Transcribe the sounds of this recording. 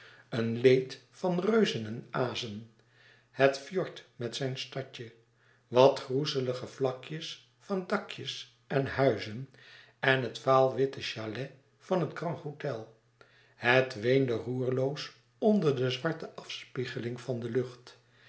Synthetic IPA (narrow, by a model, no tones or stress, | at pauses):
ənlejtfɑnrøɥzənənaːzən | hətfjɔɹtmɛtsɛjnstɑcə | ʋɑtχruzələχəvlɑkjəs | fɑndɑkjəs | ɛnhœɥzən | ɛnɦətfaːlˠʋɪtəʃalɛ | fɑnɦətkrɑ̃ŋtɦotɛlˠ | hətʋejndəruːɹlows | ɔndəɹdəzʋɑɹtəʔɑfspiχəlɪŋvɑndəlɵχt